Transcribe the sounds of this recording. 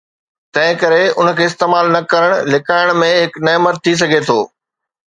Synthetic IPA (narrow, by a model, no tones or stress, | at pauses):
t̪ɐ̃ɦɪ̃kɐɾeʊn̆kʰeːst̪eːmaːlnɐkɐɾəɽ̃lɪkaːɪɽ̃mẽɦɪknɛːmət̪̚t̪ʰːis̬ɐɡʱet̪ʰo̰ː